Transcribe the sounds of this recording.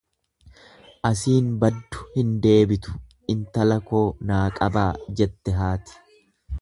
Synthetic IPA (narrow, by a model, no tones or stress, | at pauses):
ʔɐsiːnbɐd̪ːʊ̥hɪnd̪e̞ːbɪt̪ʊ̥ | ɪnt̪ɐlɐko̞ːnaːkʼɐbaːd͡ʒɛt̪ːɛɦaːt̪ɪ̥